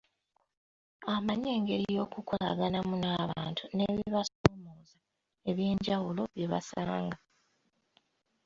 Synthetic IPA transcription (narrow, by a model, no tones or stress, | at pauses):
amaɲe̞ːŋɡe̞ɾijo̞ːkukola̰ɡanamunaːβaːntʰune̞βiβasoːmoːza | e̞βje̞ːɲɟawulo̞βje̞βa̰saːŋɡa